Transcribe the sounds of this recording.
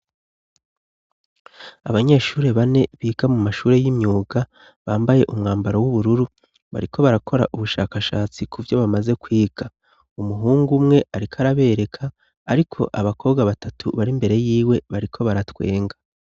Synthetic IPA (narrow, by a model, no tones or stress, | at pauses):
aβaɲe̞ːʃuːɾe̞βane̞βiːɡ̥amumaʃuːɾe̞jimɲuːɡa | βaːmbaje̞ʔumŋaːmbaɾowuβuɾuɾu | βa̰ɾikʰo̞βaɾakʰo̞ɾa̰ʔuβuʃaːkaʃaːt͡sikʰuvjo̞βamaze̞kwiːɡ̥a | umuɦuːŋɡumŋe̞ʔaɾikʰaɾaβe̞ːɾe̞kʰaː | ɾikʰo̞̰ʔaβakʰo̞ːbɡaβatʰatʰuβaɾimbe̞ɾe̞jiːwe̞βaɾikʰo̞βaɾatwe̞̰ːŋɡḁ